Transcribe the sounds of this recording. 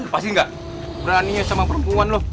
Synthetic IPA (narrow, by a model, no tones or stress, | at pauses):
past̪iŋɡaʔ | bəɾaniasamapəɾəmpuanloh